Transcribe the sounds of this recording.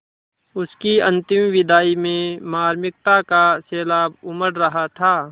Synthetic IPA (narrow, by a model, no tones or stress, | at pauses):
ʊskiɐ̃nt̪ɪmʋɪd̪aːimẽmaːɾmɪk̚t̪akasɛːlaːbʊməɽɾɐɦat̪ʰaː